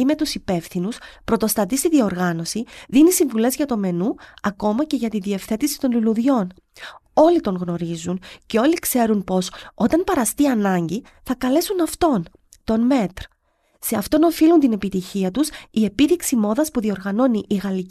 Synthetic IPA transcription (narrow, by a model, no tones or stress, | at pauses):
ime̞t̪usipe̞fθinuspɾo̞t̪o̞st̪ɐt̪ist̪iðio̞ɾɣɐno̞siðinisiɱvule̞zʝɐt̪o̞me̞nuɐko̞mɐce̞ʝɐt̪inðie̞fθe̞t̪isi̥t̪o̞nliluðʝo̞n | o̞lit̪o̞ŋɣno̞ɾizunce̞o̞likse̞ɾunpo̞so̞t̪ɐnpɐɾɐst̪iɐnɐɲɟi | θɐkɐle̞sunɐft̪o̞n | t̪o̞nme̞t̪ɾ | se̞ɐft̪o̞no̞filunt̪ine̞pit̪içiɐt̪usie̞piɾiksimo̞ðɐspuðio̞ɾɣɐno̞niʔːɣɐli